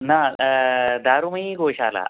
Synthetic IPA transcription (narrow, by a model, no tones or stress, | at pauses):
na | d̪aɾuməiɡoɕaːla̰